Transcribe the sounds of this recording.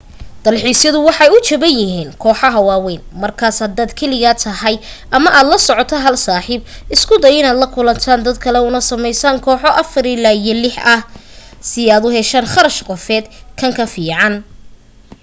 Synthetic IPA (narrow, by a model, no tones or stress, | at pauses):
d̪̥ɐlħiːsjɐðʊwɑħɑjʊt͡ʃɐβɐnjɪɦiːnkʰɔːħɑɦɐwaːwɛːnmɐrkʰaːshɐd̪aːd̪kʰɛlɪɣɐt̪ʰɐɦɐj | ʔɐmɐʔaːd̪lɐsɔʕɔt̪ʰɐɦɐlsaːħiːb̚ɪskʰʊd̪ɐjɪnaːd̪lɐkʰʊlɐnt̪ʰaːnd̪ɐd̪kʰɐlɛʊnɐsɐmɛjsaːŋkʰɔːħɔʔɐfɐɾɪlaːijɔlɪħɐh | sɪaːd̪ʊɦɛʃaːnχɑɾɐʃɡɔfɛːd̪kʰɐŋkʰɐfiːʕɑn